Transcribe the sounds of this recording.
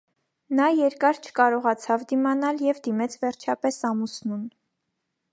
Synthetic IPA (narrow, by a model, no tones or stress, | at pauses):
nɑjɛɾkɑɾt͡ʃʰə̥kɑɾɔʁɑt͡sʰɑvd̪imɑnɑljɛvd̪imɛt͡sʰvɛɾt͡ʃʰɑpɛsɑmusnun